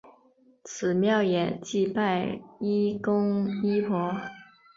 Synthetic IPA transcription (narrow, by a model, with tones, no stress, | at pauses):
t͡sʰɹ̩˨˩mjɑ˥˩ʊjɛ˨˩˦t͡ɕi˥˧pa˥˩ɪi˥kʊ˥ŋi˥pʰwɔ˧˥